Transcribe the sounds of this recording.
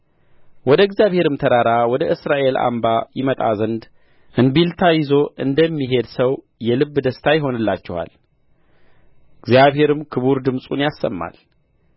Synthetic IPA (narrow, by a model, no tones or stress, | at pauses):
wɔd̪əɡzjaβhe̞ɾɨmt̪ʰəɾaɾawɔd̪əʔɨsɾaʔe̞lʔa̰mbajɪmət̪ʼa̰zənd̪ | ʔɨnbilt̪ʰajɪzo̞ʔɨnd̪əmːiɦe̞d̪səw | jɛlɨbːd̪əst̪ʰajɪɦo̞nɨlːat͡ʃːɛha̰l | ɨɡzjaβhe̞ɾɨmkʰɨβuɾd̪ɨmsʼunjasːə̰mːa̰l